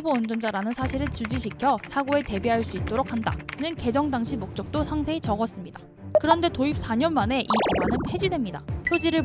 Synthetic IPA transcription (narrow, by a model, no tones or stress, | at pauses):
boʌnd͡ʑʌnd͡ʑaɾanɯnsʰaɕʰiɾɯɭt͡ɕud͡ʑiɕ̬ʰikʰjʌsʰaɡoe̞te̞biɦaɭs͈uit̚t͈oɾok̚ʰhanda̰nɯnke̞d͡ʑʌŋdaŋɕʰimok̚t͡ɕ͈ʌk̚t͈osʰaŋsʰe̞it͡ɕʌɡʌs͈ɯmɲida | kɯɾʌnde̞toip̚s͈ʰaɲʌnmane̞ʔiɡuanɯnpʰe̞d͡ʑidwemɲidapʰjod͡ʑiɾɯɭ